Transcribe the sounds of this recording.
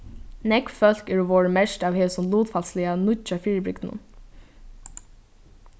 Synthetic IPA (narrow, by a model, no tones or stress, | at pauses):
nɛkfœl̥kɛɾɔʋɔːɹmɛʂʈaːʋheːsʊmluːt̪falslɪanʊt͡ʃafiːɹəbɹɪk̪nʊ̰n